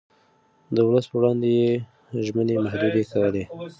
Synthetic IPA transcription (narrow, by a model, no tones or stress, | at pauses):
d̪əwləspəwɽɑnd̪eje | ʒmənemahd̪ud̪ekawəle